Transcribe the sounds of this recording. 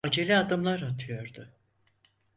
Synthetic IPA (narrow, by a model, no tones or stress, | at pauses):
ad͡ʒelʲiad̪ɯmlˠaɾat̪ʰɯjo̞ɾd̪ʊ